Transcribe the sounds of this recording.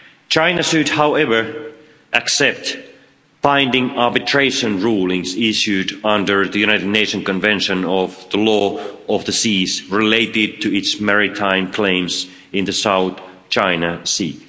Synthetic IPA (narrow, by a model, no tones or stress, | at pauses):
t͡ʃʰãɪ̃nɨʃɨd̚haʊɛvə˞ | ʔɨksɛp̚t | b̥ãɪ̃ndɪ̃ŋɑɹbɨtʰɹ̥eɪʃɨ̃nɹulˠɪ̃ŋzɪʃjʉɾʌ̃ndə˞ðɨjʉnaɪɾɨdⁿneɪʃɨ̃nkɨ̃nvɛ̃nʃɨ̃nʌvðəlɔʌvðɨsizɹɪleɪɾɪd̚tʰɨɪtsmɛɹɪtʰãɪ̃mkʰl̥ẽɪ̃mz | ɨ̃nðɨsaʊθ | t͡ʃʰãɪ̃nəsi